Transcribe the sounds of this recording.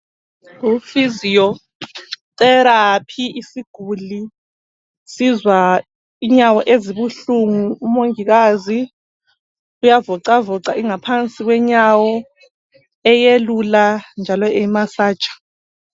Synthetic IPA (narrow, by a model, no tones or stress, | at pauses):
ufizijɔ | tɛɾapʰiʔisiɡ̥ʱuli | sizwa | iɲawɔʔeziβuɬuŋuumoŋiɣ̬azi | ujavɔǀavɔǀaiŋapʰant͡sʼik̬wɛɲawɔ | ɛjeluland͡ʒʱalɔɛimasḁːt͡ʃʼḁ